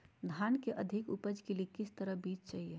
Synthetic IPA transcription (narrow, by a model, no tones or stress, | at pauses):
d̪ʱaːnkeʔɐd̪ʱɪkupəd͡ʒkeliekɪst̪əɾəɦbiːt͡ʃt͡ʃaːɦie